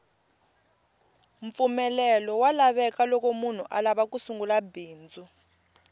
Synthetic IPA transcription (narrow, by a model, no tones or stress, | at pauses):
ɱp̪fumɛlɛlɔwalaɓɛkalɔkomun̤uʔa̰laɓakusuŋɡulabiːnd͡zʱu